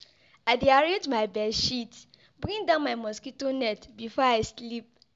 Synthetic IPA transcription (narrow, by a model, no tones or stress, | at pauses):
aɪdeaɾẽnd͡ʒmaɪbɛʃit | bɹĩŋdãʊ̃nmaɪmɔskitonɛtbifɔaɪslip̚